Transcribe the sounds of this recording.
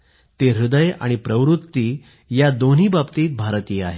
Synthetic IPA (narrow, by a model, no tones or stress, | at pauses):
t̪eɾud̪əja̰ɽ̃ipɾəʋɾut̪ːiː | jad̪on̤iːbabt̪iːt̪̚bʱaɾt̪iːa̰ɦe